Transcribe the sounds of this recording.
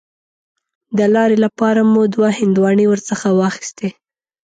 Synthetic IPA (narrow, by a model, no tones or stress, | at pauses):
d̪əlɑɾelapɑɾamud̪wahɪnd̪wɑɳiwəɾsəxawɑxi̥st̪e